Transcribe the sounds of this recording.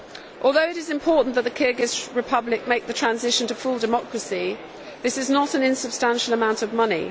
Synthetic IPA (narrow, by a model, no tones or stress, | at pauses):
ʔɔːlˠðəʊɪɾɪzɪ̃mpʰɔˑʔn̩ðəʔ̪ðəkʰɪːɡɪzɹɪpʰʌblɪk̚meɪk̚ðətʰɹ̥ãnzɪʃə̃ntʰəfʊlˠdəmɒkʰɹəsi | ðɪsɪznətə̃nɪ̃nsəb̥stãnʃələmãʊ̃ntəvmʌnḭ